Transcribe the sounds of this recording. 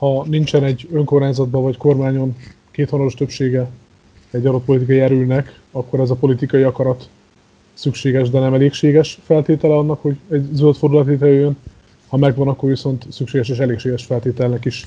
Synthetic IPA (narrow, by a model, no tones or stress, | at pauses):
hɒnint͡ʃɛnɛɟːøŋko̞rmaːɲzɒd̪̚bɒvɒcko̞rmaːɲo̞n | keːt̪honɒɾo̞ʃt̪øpʃeːɡɛ | ɛɟːɒd̪o̞t̪̚polit̪ikɒjɛɾylnɛk | ɒkːo̞ɾɛzɒpo̞lit̪ikɒjiɒkɒɾɒt̪ | sykʃeːɡɛʒd̪ɛnɛmɛleːkʃeːɡɛʃfɛlt̪eːt̪ɛlɛɒnːɒkho̞ɟɛɟzølt̪fo̞rd̪ulɒt̪ʋeːt̪ɾɛjøːjøn | hɒmɛɡvɒnɒkːorviso̞nt̪sykʃeːɡɛʃeːʃɛleːkʃeːɡɛʃfɛlt̪eːt̪ɛlɛnɛkiʃ